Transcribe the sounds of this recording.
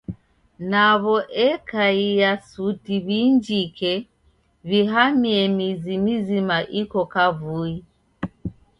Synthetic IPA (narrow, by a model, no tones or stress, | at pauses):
naβɔʔɛkaijasutiβind͡ʒikɛ | βiɦamiɛmizimizimaʔikɔkavui